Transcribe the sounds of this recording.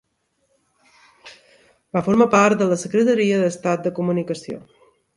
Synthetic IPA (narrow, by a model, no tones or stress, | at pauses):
bafoɾmapaɾt̪̚d̪ələsəkɾət̪əɾiəðəst̪at̪̚d̪əkumunikəsio̰